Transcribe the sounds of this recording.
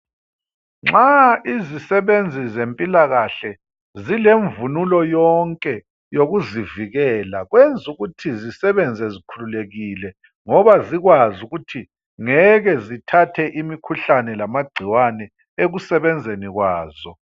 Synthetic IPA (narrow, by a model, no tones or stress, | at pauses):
ŋ͡ǁaizisɛβend͡zʱizempʼilaɣaɬɛ | zileɱvunulɔjɔŋkʼɛ | joɣuziviɣɛlaɣwend͡zʱuɣutʰizisɛβɛnd͡zʱɛzikʰululeɣilɛ | ŋɔβaziɣwazuɣutʰi | ŋɛɣɛzitʰatʰɛʔimikʰuɬanɛlamaɡ͡ǀʱiwanɛ | eɣusɛβɛnd͡zʱeniɣwaːz̥ɔ